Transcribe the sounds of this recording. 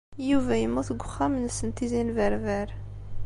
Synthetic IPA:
juvæjəmːʊθɡʷχːæmnsənt̪izinvəɾvæɾ

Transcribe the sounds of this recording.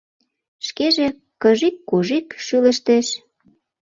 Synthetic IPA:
ʃkeʒe | kəʒikːoʒikʃylə̆ʃt̪eʃ

